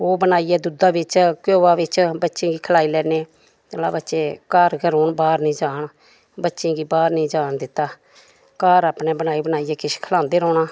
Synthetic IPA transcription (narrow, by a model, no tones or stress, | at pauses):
oːbənaːiːɛːd̪ud̪aːbɪt͡ʃkoːaːʋɪt͡ʃbətːʃẽːɡiːkʰəlaːiːlɛːneː | t̪əla̰ːbətːʃeːkaːɾɡəɾoːɳbaːɾnĩːd͡ʒaːɳ | bətːʃẽːɡiːbaːɾnĩːd͡ʒaːɳd̪ɪt̪ːaː | kaːɾaːpneːbənaːiːbənaːiːɛːkɪskʰəlãːnd̪eːɾɔːnaː